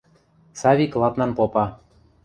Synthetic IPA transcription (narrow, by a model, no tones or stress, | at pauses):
sɑβʲiklˠɑt̪nɑnpopɑ